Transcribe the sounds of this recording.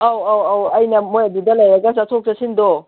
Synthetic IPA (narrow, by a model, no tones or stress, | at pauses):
awawawɐjnɐmojɐdudɐlɐjɾɐɡɐs̬ɐt̪ʰok̚sɐsindo